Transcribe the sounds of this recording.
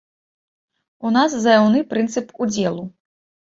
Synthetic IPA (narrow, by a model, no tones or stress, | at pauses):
unas̬zɐjawnɨpɾɨnt̪sɨpud͡zʲɛlˠu